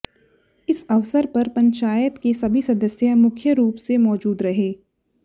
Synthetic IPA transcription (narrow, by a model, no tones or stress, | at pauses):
ɪsɐʋsəɾpɐɾpɐ̃ɲt͡ʃaːjət̪kesɐbʱisɐd̪əsjəmʊkʰjəɾuːpsemɔːd͡ʒuːd̪ɾɐɦeː